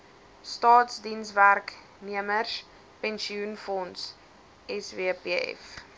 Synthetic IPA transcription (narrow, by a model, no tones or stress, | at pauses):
stɑːtsdinsværk | niəmərs | pɛnsiunfɔns | ɛsviəpiɛ̰f